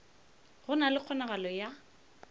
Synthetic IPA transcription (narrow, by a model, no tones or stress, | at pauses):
ɣʊnalɪq͡χʰɔnaɣalɔja